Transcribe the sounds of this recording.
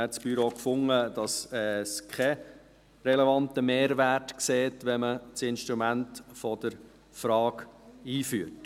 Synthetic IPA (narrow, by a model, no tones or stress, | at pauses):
ɛtt͡sb̥yɾokfʊŋəd̥ɑsɛskʰɛ | ɾɛlɛvɑnt̪əmeːɾʋæɾtkseːtʋɛmət͡sɪnʃtɾumæntfɔd̥əɾ | fɾɑːkiːfyːət